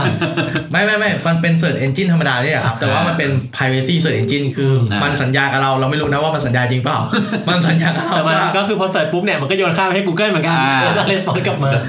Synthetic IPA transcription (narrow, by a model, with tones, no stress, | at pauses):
ma˥˩jma˥˩jma˥˩jma˧npe˧nsɤː˨˩t̪ʔe˧nt͡ɕi˥˩nt̪ʰa˧mːa˧daː˧nḭ˥˩˨kʰa˦˥p̚t̪ɛː˨˩waː˥˩ma˧npe˧npʰaː˧jweː˧siː˥˩səɤː˨˩t̪ʔe˧nt͡ɕi˥˩nkʰɯː˧ma˧nsa˩˦njaː˧ka˨˩ɾa˧wɾa˧wma˥˩jɾuː˦˥na˦˥waː˥˩ma˧nsa˩˦njaː˧t͡ɕi˧ŋpaː˨˩wma˧nsa˨˦njaː˧ka˨˧ɾa˧wɛː˨˩ma˧a˥˩kɔː˥˩kʰɯː˧pʰɔː˧t̪ɔː˨˩pu˦˥p̚ni˥˩ɐma˧nkɔː˥˩joː˧nkʰaː˥˩pa˧jha˥˩kuː˧kɤ˥˩lmɯ˩˦nka˧o˧˩saː˥˧˩le˦˥t̪̚fɔː˦˥nka˨˩p̚maː˧